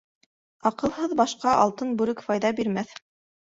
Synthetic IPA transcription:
ɑqɤ̆lˠɦɤðbɑʃqɑʔɑ̰lˠt̪ɤnbʉɾɘkfɑjðɑbiɾmæθ

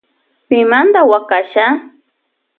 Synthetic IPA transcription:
pɪmand̪awakaʃa

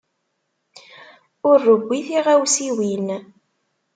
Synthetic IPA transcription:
ʊɾːəbʷːiθiʁæwsiwin

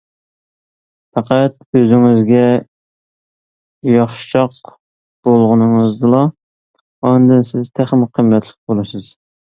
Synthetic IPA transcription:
pɑqæt̪̚øzɪŋɪzɡʲɛ | jɑχʃt͡ʃʰɑq | b̥olˠʁʊnɨŋɨzd̪ɨlˠɑ | ɑnd̪ɨnsɪzt̪ʰæχmɪqʰəmːɛt̪ʰlˠɪq̚bolˠɨsɨz̥

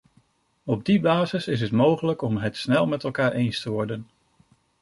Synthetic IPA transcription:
ɔb̚dibaːzɪsɪs̬ɦətmowχələkɔmɦətsnɛlˠmɛtɛlˠkaːɹʔejnstəʋɔɹdən

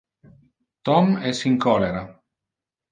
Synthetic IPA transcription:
t̪ɔmɛsiŋkɔleɾa

